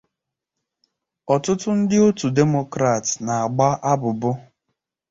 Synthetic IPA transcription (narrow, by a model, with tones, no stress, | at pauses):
ɔ˨tʊ˦tʊ˦n̩˦dɪ˦o˦tu˨de˦mo˦kɾa˨tna˨a˨ɡ͡ba˦ʔa˦bʊ˨bʊ˦